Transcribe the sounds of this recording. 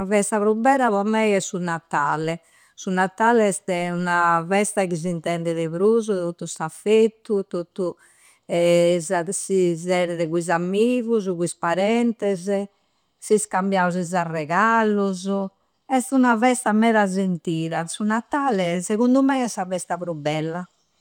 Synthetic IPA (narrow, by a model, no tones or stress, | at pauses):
avɛst̪aβɾubɛːɾaβɔmɛiɛsːunat̪aːlɛ | sunat̪aːlɛɛst̪ɛunavɛst̪akiz̬int̪ɛnd̪ɛðɛβɾuzut̪ot̪ːusafet̪ːut̪ot̪u | ɛzasizɛɾɛðɛɣuizamːiːɣuzɣuispaɾɛnt̪ɛzɛ | siskambjauzizarɛɣaːluz | ɛst̪unavɛst̪amɛɾad͡ʒent̪iːɾasunat̪aːlɛsɛɣund̪umɛiɛsːavɛst̪apɾubːɛlːa